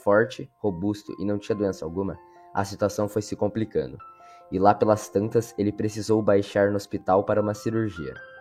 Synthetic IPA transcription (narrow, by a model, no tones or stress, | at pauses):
fɔɾt͡ʃɪhobust̪ʊ̰ʔɪ̰nɐ̃w̃t͡ʃĩɲɐd̪uẽnsɐawɡũmɐ | ɐ̰sit̪uasɐ̃w̃fojsɪkõplikɐ̰̃nd̪ʊ | ɪlapelɐst̪ɐ̃nt̪ɐselɪpɾesizowbajʃaɾnʊospit̪awpaɾɐũmɐsiɾuɾʒiɐ̰